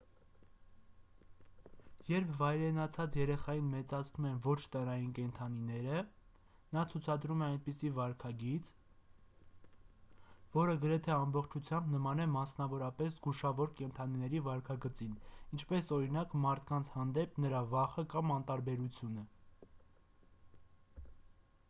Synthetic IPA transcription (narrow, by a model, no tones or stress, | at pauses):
jɛɾpʰvɑjɾɛnɑt͡sʰɑt͡sjɛɾɛχɑjinmɛt͡sɑt͡sʰnumɛnvɔt͡ʃʰt̪əɾɑjinkɛnt̪ʰɑninɛɾə | nɑt͡sʰut͡sʰɑd̪ɾumɛɑjnpisivɑɾkʰɑɡit͡s | vɔɾəɡəɾɛt̪ʰɛɑmbɔχt͡ʃʰut͡sʰjɑmbnəmɑnɛmɑsnɑvɔɾɑpɛszɡuʃɑvɔɾkɛnt̪ʰɑninɛɾivɑɾkʰɑɡət͡sinint͡ʃʰpɛsɔɾinɑkmɑɾt̪ʰkɑnt͡sʰhɑnd̪ɛpnəɾɑvɑχəkɑmɑnt̪ɑɾbɛɾut͡sʰjunə